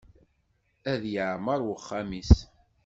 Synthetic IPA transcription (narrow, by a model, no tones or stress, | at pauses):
æðjəʕməɾˤwəχːæmis